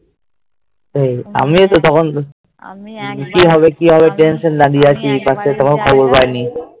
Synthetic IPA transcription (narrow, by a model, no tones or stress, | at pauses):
teja̰mit̪ɔt̪ɔkʰɔn | kiɦɔβekiɦɔβeʈensɔndad̪iakʰipaset̪ɔkʰɔnkʰɔbɔlpajni